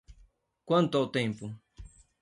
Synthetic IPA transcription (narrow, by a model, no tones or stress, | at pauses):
kwant̪oawt̪empʊ